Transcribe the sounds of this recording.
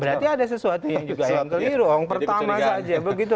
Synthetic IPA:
bəɾart̪iadas̬əsuat̪ujaŋd͡ʒuɡajaŋkəliɾuɾaŋpərt̪amasad͡ʒabəɡit̪̬u

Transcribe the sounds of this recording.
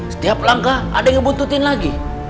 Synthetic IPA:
sə̥t̪iap̚laŋkaa̰daŋəbut̪ut̪ɪnlaɡi

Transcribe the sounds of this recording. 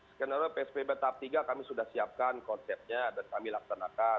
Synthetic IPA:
skɛnaɾopeɛspebat̪ap̚t̪iɡakamisudahsiap̚kankɔnsɛp̚ɲadankamilak̚sanaka

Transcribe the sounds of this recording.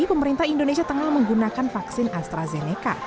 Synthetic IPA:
ipəməɾint̪ahindonesiat̪əŋahməŋɡunakanfaksɪnast̪ɾazeneka̰

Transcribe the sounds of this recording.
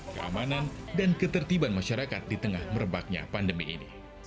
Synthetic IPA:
kəʔa̰manandankət̪ərt̪ibanmaʃaɾakat̪̚dit̪əŋahmərəbak̚ɲa̰pandəmiḭnḭ

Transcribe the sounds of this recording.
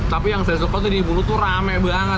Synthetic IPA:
t̪apijaŋsajas̬ukat̪̬udibulut̪uɾamɛbaŋə

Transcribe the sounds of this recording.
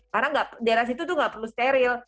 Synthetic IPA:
kaɾaŋɡaʔpdaeɾas̬it̪ut̪̬uhŋɡaʔpərlust̪eɾɪl

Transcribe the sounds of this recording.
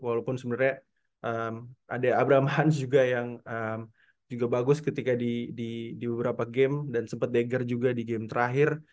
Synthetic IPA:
walawpʊnsəbənarɲa | ʔəmʔa̰daːbɾaamaɦans̬d͡ʒuɡajaŋəm | d͡ʒuɡabaɡʊskət̪ikadididibəbəɾapaɡɛmdansəmpat̪̚deɡərd͡ʒuɡadiɡɛmt̪əɾaɦɪr

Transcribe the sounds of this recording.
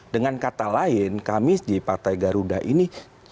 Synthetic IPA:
dəŋankat̪alaɪnkamɪsdipart̪ajɡaɾudaʔini

